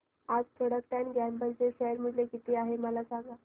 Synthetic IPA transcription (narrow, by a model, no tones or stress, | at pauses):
ad͡zt̪ʰəɽək̚ʈ̪anɡambəlt͡seɕeəɾm̤əɳlekit̪eaɦeməlasãŋɡa